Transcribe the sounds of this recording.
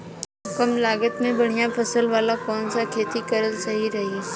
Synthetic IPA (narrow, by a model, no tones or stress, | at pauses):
kəmlaːɡət̪mẽbɐɽ̤ijãpʰɐsəlʋaːlakɔːnsakʰeːt̪ikɐɾəlsɐɦiɾɐɦi